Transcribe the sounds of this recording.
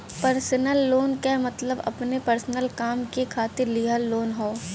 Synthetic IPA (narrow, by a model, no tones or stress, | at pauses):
pɐɾsənəlːoːnkɛmɐt̪ləbɐ̰pnepɐɾsənəlkaːmkekʰaːt̪ɪɾlɪɦalːoːnɦoː